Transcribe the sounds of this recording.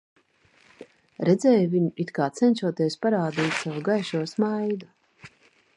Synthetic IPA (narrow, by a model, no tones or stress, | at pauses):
ɾɛd̪zɛːjviɲuit̪kaːt̪sɛnʲʃuɔt̪iɛspaɾaːd̪iːt̪ʲsavɡajʃuɔsmajd̪a